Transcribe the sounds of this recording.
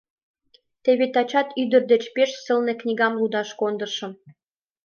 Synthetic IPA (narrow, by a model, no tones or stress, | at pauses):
t̪eβet̪ɑt͡ɕɑt̪yd̪ə̆rd̪ĕt͡ɕpeʃsɤ̆lnĕknʲiɡɑmlud̪ɑʃkond̪ɤ̆rʃɤ̆m